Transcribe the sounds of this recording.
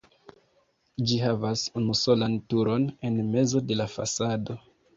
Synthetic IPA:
d͡ʒiɦavasunuso̞lantuɾo̞ne̞nme̞zo̞de̞lafa̰sado̞

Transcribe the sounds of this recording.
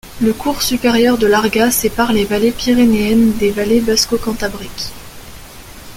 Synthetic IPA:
ləkuʁsypeʁjœʁd̪əlaʁɡasepaʁlevalepiʁeneɛnd̪evalebaskokɑ̃t̪abʁikʲ

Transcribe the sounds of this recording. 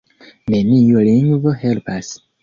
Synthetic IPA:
menijulĩŋɡvohelpas

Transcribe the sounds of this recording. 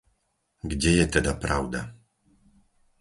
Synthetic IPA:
ɡd͡ʑɛjɛt̪ɛd̪apɾawd̪a

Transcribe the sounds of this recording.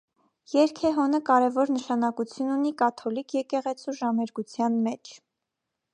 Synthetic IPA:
jɛɾkʰɛɦɔnəkɑɾɛvɔɾnəʃɑnɑkut͡sʰjununikɑt̪ʰɔlikʰjɛkɛʁɛt͡sʰuʒɑmɛɾɡut͡sʰjɑnmɛt͡ʃʰ

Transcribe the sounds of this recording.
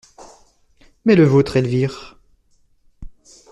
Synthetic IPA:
mɛləvot̪χelviːʁ

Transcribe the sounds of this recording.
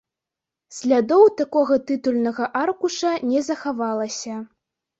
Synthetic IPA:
sʲlʲad̪ɔwt̪akɔɣɐt̪ɨt̪ulʲnɐɣɐʔarkuʂɐnʲɛzɐxavalˠɐsʲɐ

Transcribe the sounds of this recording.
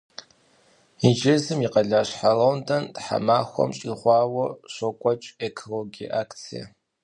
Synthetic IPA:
id͡ʒɪzɨmiqɐɮaːɕħarowndʰɐntħa̰maːxʷɔ̰mɕʼiχʷɑːwɔɕʷokʷʼɔt͡ʃʼekʰoloɡḭʔaːkʰt͡sʰijɐ̰

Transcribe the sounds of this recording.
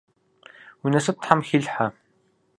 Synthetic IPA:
unɐsɨp̚t̪ʰħamxiɮħa

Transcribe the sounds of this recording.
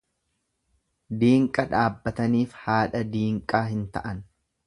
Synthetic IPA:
d̪iːŋkʼɐᶑaːbːɐt̪ɐniːfhaːᶑɐd̪iːŋkʼaːɦɪnt̪ɐ̰ʔɐn

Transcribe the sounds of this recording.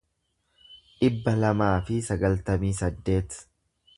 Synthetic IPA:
ʔɪbːɐlɐmaːfɪsɐɡɐlt̪ɐmiːsɐd̪ːe̞ːt̪

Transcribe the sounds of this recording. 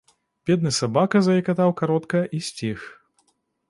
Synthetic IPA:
bʲɛd̪̚nɨsabakɐzɐjikat̪awkaɾɔt̪kɐʔisʲt͡sʲix

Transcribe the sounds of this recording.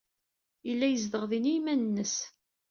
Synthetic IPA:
ilːæjəzðəʁðinijmænnːəs

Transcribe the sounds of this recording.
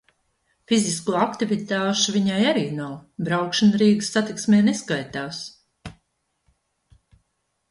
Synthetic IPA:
fiziskuɔakt̪ivit̪aːʃuviɲajaɾiːnawbɾawkʃanɾiːɡɨsːat̪iksmeːneskajt̪aːs

